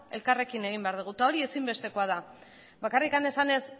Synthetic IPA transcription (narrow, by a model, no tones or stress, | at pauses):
e̞lkare̞kine̞ɣ̞imbeaɾð̞uɣ̞ut̪ao̞ɾie̞simbe̞st̪e̞ko̞að̞a | bakarikane̞sane̞s